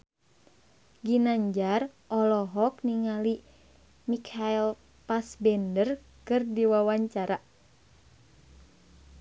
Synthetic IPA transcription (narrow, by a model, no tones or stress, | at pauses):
ɡinaɲd͡ʒarʔɔlɔɦɔkniŋali | mikʰail | pasbɛndər | kɨrdiwawaɲt͡ʃaɾa